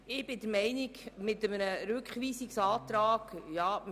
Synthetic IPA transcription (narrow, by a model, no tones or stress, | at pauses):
ɪb̥ɪd̪əɾmɛɪniɡmɪt̪əmənəɾʉkχʋiːsiksɑːt̪ɾɑːɡ̥jɑː